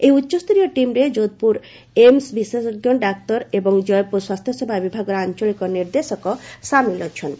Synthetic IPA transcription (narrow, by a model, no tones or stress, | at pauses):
ejutːɕost̪ɾijoʈimɾed͡ʒod̪̚puɾ | emsbisesoɡjonɖak̚t̪ɔɾebɔŋd͡ʒɔjpuswast̪ʰjɔsebʱabibʱaɡɔɾant͡ʃolikɔniɾd̪esɔkɔsamilɔt͡ʃʰɔn